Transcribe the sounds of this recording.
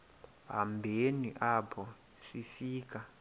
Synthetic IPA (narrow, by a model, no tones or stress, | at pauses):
ɦa̰mbʱeniʔapʰɔ | sifiːk̬a